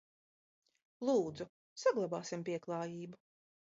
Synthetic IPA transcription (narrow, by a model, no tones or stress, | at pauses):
lˠuːd̪zu | saɡlˠabaːsimpiɛklˠɑːjiːbu